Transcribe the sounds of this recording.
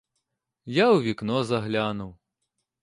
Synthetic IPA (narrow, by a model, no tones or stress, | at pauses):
jawʋʲiknɔzɐɦlʲanʊw